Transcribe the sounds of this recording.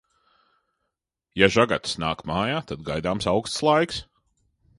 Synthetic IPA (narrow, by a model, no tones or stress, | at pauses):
jaʒaɡat̪snaːkmaːjaːt̪ad̪ɡajd̪aːmsawkst̪slˠajks